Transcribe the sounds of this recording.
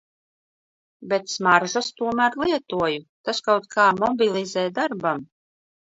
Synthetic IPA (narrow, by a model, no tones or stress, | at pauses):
bɛt̪smaɾʒast̪uɔmæːɾlˠiɛt̪uɔjut̪askawt̪kʰaːmɔbʲilˠizɛːd̪aɾbam